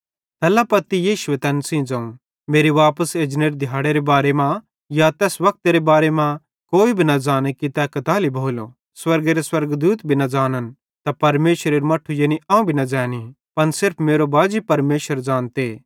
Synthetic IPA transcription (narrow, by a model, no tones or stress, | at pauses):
t̪ɛːlapɐt̪ijiːʃʊet̪ɛːnsĩd͡zɐ̃ːũ | meːɾiʋaːpəseːd͡ʒneɾd̪ʱjaːɽeɾebaːɾemã | jat̪ɛːsʋɐk̚t̪eɾebaːɾemã | koːibʱinɐd͡ʒaːnekit̪ɛkɐt̪aːlibʱoːlo | swɐɾɡeɾeswɐɾɡd̪uːt̪bʱinɐd͡ʒaːnən | t̪apɐɾmeːʃɾeɾmɐʈʰːujeːniʔãːũbʱinɐd͡ʒɛːni | pɐnsɪɾpʰmeːɾobaːd͡ʒipɐɾmeːʃəɾd͡ʒaːnt̪eː